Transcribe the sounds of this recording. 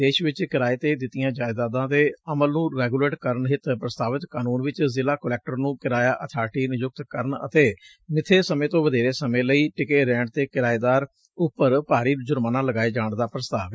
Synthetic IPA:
eːʃʋɪt͡ʃkɪɾaːeːt̪eːd̪ɪt̪ːɪjãːd͡ʒaːɪd̪aːd̪ãːd̪eːəməlnũːɾɛːɡuːleːʈkəɾəɳɦɪt̪pɾəst̪aːʋət̪kaːnuːnʋɪt͡ʃzɪlaːkəlɛːk̚ʈəɾnũːkɪɾaːjaːʔət̪ʰaːɾʈiːnɪjʊk̚t̪kəɾəɳə̰t̪eː | mɪt̪ʰːeːsəmẽːt̪õːʋəd̪eːɾeːsəmẽːləiːʈɪkeːɾɛ̃ːɳʈt̪eːkɪɾaːeːd̪aːɾ | ʊpːəɾpaːɾiːd͡ʒʊɾmaːnãːləɡaːeːd͡ʒaːɳd̪aːpɾəst̪a̰ːʋ

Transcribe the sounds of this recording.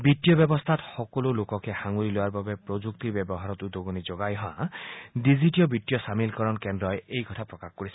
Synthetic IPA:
bitijɔbjɔbɔst̪ʰat̪xɔkɔlolokɔkehaŋuɾiloaɾbabepɾod͡ʒuk̚t̪ibjɔbɔɦaɾɔt̪ud̪oɡonid͡ʒoɡajɦɔa̰diziʈijɔbitjɔsamilkɔɾɔnkendɾɔjejkɔt̪ʰapɾɔkaxkɔɾisʰi

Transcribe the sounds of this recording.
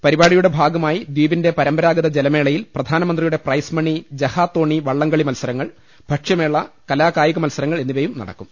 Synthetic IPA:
pɐɾibaːɽijuɽe̞bʱaːɡɐmaːjid̪wiːʋinde̞pɐɾɐmbɐɾaːɡɐðɐd͡ʑelɐme̞ːɭɐjilprɐd̪ʱaːnɐmɐnd̪rijuɽe̞prɐjsmɐɳid͡ʑɐhaːt̪ːo̞ːɳːiʋɐɭːɐŋɡɐɭimɐlsɐɾɐŋːɐɭ | b̥ʱɐʈʂjɐme̞ːɭːɐkɐlaːkaːjɐɣɐmɐlsɐɾɐŋːɐɭe̞nːiʋɐjumnɐ̰ɽɐ̰kːum

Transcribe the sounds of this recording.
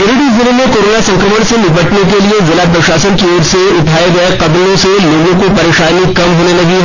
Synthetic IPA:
juːɾɪʈizɪləmẽkoːɾoːnasɐ̃ŋkɾəməɽ̃senɪbəʈnekeliezɐlapɐʃaːsənkioːɾseʊʈʰaːeɡɐeqɐb̪lõseloːɡõkopɐɾeːʃaːnikɐmɦoːnelɐɡi

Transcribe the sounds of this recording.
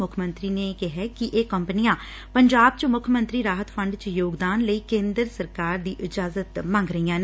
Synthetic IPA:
ʊkʰmə̃nt̪ɾiːneːkɪɦɛːkɪʔeːkəmpənijãː | pəɲd͡ʒaːb̚t͡ʃmʊkʰmə̃nt̪ɾiːɾaːɦət̪pʰəɳɖt͡ʃjoːɡd̪aːnləiːkẽːnd̪əɾsəɾkaːɾd̪iːʔɪd͡ʒaːzət̪mãŋɡɾəijãːn

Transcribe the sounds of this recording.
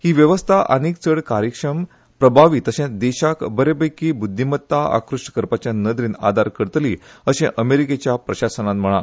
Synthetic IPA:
hiːʋjəʋəst̪ʰaʔə̰niːk̚t͡səɽkaɾjəkʂəm | pɾəbʱaʋit̪əɕɛ̃d̪eɕakbəɾebəjkibud̪ʱːimət̪ːaa̰kɾuʂʈkəɾpat͡ɕjanəd̪ɾiːna̰d̪ʱaɾkəɽt̪liəɕḛ̃ʔəmeɾiket͡ɕjapɾəɕasənãt̪m̤əɭ̃a

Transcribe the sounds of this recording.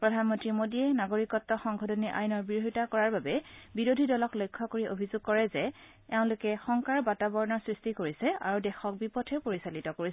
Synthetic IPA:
pɹɔdʱanmɔntɹimodiɛnaɡoɹikɔtːɔxɔŋɡʰʱɔdʰʱɔniʔa̰jnɔɹbiɹoɦitakɔɹaɹbabɛbiɹodʱidɔlɔklojkʰːɔkoɹiʔobʱizʊɡ̚kɔɹɛzɛ | ɛʊ̃lʊkɛxɔŋkaɹbatabɔɹnɔsɹistikoɹisɛʔa̰ɹudɛxɔk̚bipɔtʰɛpoɹisalitɔkoɹisɛ

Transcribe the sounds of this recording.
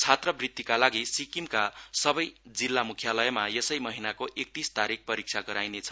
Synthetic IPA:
t͡sʰat̪rʌbrit̪ːikalaɡisikimkasʌbʌjd͡zilːamukʰjalʌjʌmajesʌjmʌɦinakoʔek̚t̪ist̪aɾik̚pʌɾik̚sʰaɡʌɾajnet͡sʰʌ̥

